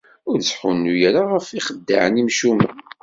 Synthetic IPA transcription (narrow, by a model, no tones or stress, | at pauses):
ʊɾsħunːujaɾaʁəfiχəd̪ːa̰ʕənimʃumæ